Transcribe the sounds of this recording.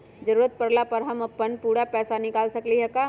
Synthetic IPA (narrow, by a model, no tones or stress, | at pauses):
d͡ʒɐɾuːɾət̪̚pɐɾlapɐɾɦɐmɐpːənpuːɽapɛːsanɪkaːlsɐkliɦɛkaː